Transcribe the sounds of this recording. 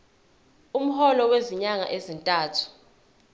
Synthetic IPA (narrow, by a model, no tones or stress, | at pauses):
um̩hɔlɔweziɲaŋa̰ʔezintʼaːtʰu̥